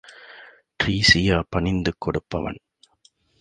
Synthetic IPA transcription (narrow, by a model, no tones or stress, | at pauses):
ʈɾiːsɪjaːpɐɳɪnd̪ɯkːɔɽɯpːɐʋɐ̰n